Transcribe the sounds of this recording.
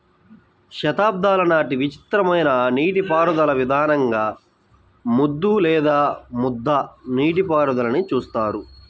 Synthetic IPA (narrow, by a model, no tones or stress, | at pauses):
ʃɐt̪aːb̚d̪ʱaːlɐnaːʈiʋit͡ʃi̥t̪ɾɐmɐjnɐniːʈipaːɾud̪ɐlɐʋid̪ʱaːnɐŋɡaː | mud̪ːulɛːd̪aːmud̪ʱːɐniːʈ̬ipaːɾud̪ɐlɐnit͡ʃuːst̪aːɾu